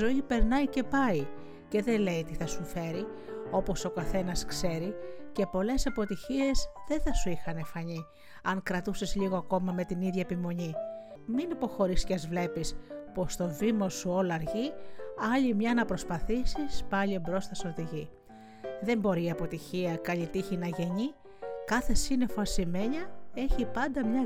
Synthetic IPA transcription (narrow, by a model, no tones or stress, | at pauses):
zo̞ipe̞ɾnɐjce̞pɐi | ce̞ðe̞le̞it̪iθɐsufe̞ɾi | o̞po̞so̞kɐθe̞nɐskse̞ɾice̞po̞le̞sɐpo̞t̪içie̞zðe̞θɐsuixɐne̞fɐɲi | ɐŋkɾɐt̪usezʎiɣo̞ɐko̞mɐme̞t̪iniðʝɐepimo̞ɲi | minipo̞xo̞ɾisceɐzvle̞pispo̞st̪o̞vimosuo̞lɐɾʝiɐʎimɲɐnɐpɾo̞spɐθisispɐʎiobɾo̞sθɐso̞ɾt̪iʝi | ðe̞mbo̞ɾiɐpo̞t̪içiɐkɐʎit̪içinɐʝe̞ɲi | kɐθe̞sine̞foɐsime̞ɲɐe̞çipɐnd̪ɐmɲɐ